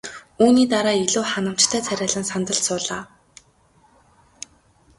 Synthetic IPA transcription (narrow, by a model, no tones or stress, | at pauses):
uːniːt̪aɾaːiɮuːχanə̆m̥t͡ɕt̪ʰæːt͡sʰæɾʲaːɮə̆nsant̪ə̆ɬsʊːɮaː